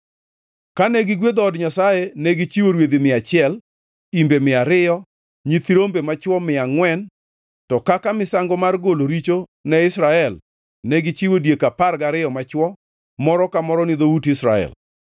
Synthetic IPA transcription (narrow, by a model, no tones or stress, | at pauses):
kanɛɡɪɡwed̪ɔːdɲasajenɛɡɪt͡ʃiwoɾwed̪imɪat͡ʃɪɛl | imbemɪaɾɪjɔ | ɲit̪iɾombemat͡ʃwɔmɪaŋwɛn | tɔkakamɪsaŋɡɔmarɡoloɾit͡ʃonɛɪsɾaɛl | nɛɡɪt͡ʃiwodjekaparɡaɾɪjɔmat͡ʃwɔ | mɔɾɔkamɔɾɔnɪðoutɪsɾa̰ɛ̰l